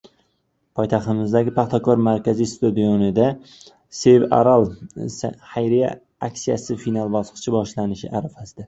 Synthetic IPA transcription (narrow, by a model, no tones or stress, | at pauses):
pʰɒjt̪ʰaχt̪ɪmɪzd̪aɡʲɪpʰaχt̪ʰakʰɒɾmaɾkʲazist̪ud̪ijonɪd̪a | seva̰ɾalˠshajɾija̰ | akʲsijasɪfinalˠbɒsɨ̥t͡ʃʰɪbɒʃlanɪʃɪʔaɾafasɪd̪a